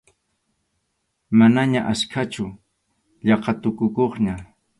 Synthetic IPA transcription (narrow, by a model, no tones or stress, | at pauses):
manaɲaʔaskʰat͡ʃʊ | ʎɑqɑt̪ʊkʊkoχɲa